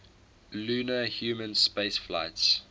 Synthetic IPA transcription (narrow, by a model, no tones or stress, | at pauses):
luːnəhjuːmə̃nspeɪsflaɪts